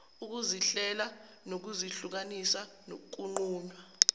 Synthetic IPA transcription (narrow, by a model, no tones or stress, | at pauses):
uk̬uziɬɛla | nok̬uziɬuk̬anisa | no̰k̬ʼuŋ͡ǃuːnwa